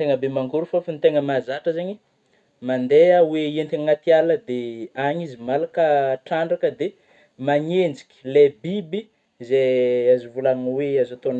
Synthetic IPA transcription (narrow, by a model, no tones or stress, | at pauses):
t̪eŋəbemaŋɡuɾufafint̪eŋəmazaʈ͡ʂəzeɲi | mand̪eəweent̪iŋat̪ialəd̪eaɲizimalakəʈ͡ʂaɳɖ͡ʐakəd̪e | maɲend͡zi̥kʲi̥lebibi | zeazuvulaŋweazat̪on